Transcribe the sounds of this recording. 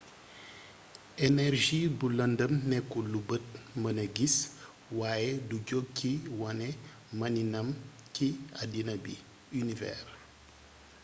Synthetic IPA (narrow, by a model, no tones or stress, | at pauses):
enɛrʒibulɐndəmnɛkːulubət̚mɐnəɡis | waːjeduɟoɡ̚kiwɐnɛ | mɐninɐm | ciɐdinɐbḭ | ynivɛ̰r